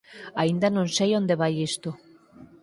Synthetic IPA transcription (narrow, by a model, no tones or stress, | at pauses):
aind̪anõnsejond̪eβajist̪u